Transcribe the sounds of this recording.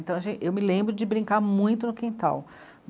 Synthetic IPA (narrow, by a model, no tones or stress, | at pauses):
t̪ɐ̃w̃ɐʒẽt͡ʃɪewmɪlẽmbɾʊd͡ʒɪbɾĩŋkaɾmũj̃t̪ʊnʊkĩt̪a̰w